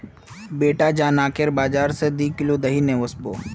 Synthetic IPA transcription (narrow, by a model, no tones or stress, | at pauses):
beːʈad͡ʒaːnaːkeɾbaːd͡ʒaːɾsed̪iːkɪlod̪ɐɦineʋosboː